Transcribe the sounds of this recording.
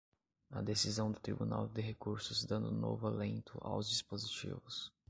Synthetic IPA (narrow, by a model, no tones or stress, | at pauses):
ɐ̰d̪esizɐ̃w̃d̪ʊt̪ɾḭbuna̰wd̪ɪɦekuɾsʊzd̪ɐ̃nd̪ũno̰vʊalẽnt̪ʰʊ̰ʔa̰wzd͡ʒispozit͡ʃḭvʊs